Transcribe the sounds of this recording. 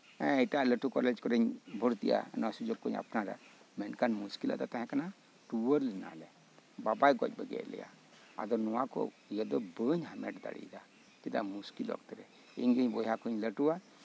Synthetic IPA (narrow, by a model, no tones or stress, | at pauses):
ɛ̃əjʈaləʈukɔlɛd͡ʒkɔɾəɲbʱɔɾt̪ija̰nasud͡ʒɔkːɔɲa̰pnaɾa̰ | mɛnkanmuskila̰d̪at̪ɛɦɛ̃kana | ʈuwəɾlɛna̰lɛ | babajɡɔt͡ʃ̚bəɡɛ̰lɛ̰ja̰ | a̰d̪ɔnɔwakɔ̰ | jɛd̪ɔbəɲɦamɛ̰ʈd̪a̰ɽḭd̪a | tid̪a̰muskilɔ̰kt̪ɛɾɛ | iɲɡəɲbɔjakuɲləʈua